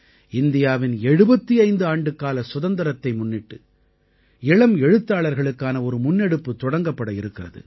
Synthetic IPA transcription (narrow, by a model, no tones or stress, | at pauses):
ɪnd̪ɪjaːʋɪnɛɻɯbɐt̪ːiɐɪnd̪ɯaːɳɖɯkːaːlɐsʊðɐnd̪ɐɾɐt̪ːɐɪmʊnːɪʈːɯ | ɪɭɐmɛɻɯt̪ːaːɭɐɾɣɐɭɯkːaːnɐɔɾɯmʊnːɛɽɯpːɯt̪ɔɽɐŋɡɐpːɐɽɐɪɾɯkːɪrɐðɯ̰